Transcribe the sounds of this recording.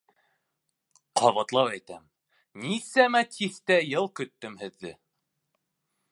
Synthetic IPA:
qʰɑβɑt̪lˠɑwæjt̪æm | nisæmæt̪ʰiθt̪æjɤlˠkɵ̆t̪ːɵmhɘ̆ðːɘ

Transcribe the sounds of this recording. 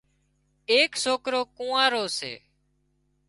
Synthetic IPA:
eːksoːkɾoːkũːãːɾoːsḛː

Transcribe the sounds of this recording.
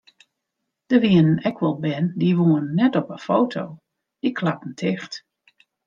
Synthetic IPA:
d̥əʋiənənɛkʰʋɔlˠbɛndiʋoənːɛtɔpəfoːtʰow | d̥ikʰlapn̩tʰɪxt

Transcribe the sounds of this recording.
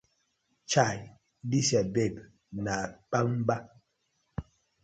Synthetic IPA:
t͡ʃaj | disabɛɡ | napamba

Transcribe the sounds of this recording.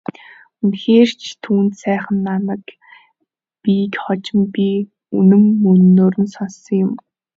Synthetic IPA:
unxeːr̥t͡ɕʰt̪ʰuːnt̪sæːχə̆nːanə̆k | pikχɔt͡ɕɪ̆mpʲi | unɘ̆mːɵnnːoːɾɵ̆nsɔnsɞ̆ŋjʊm

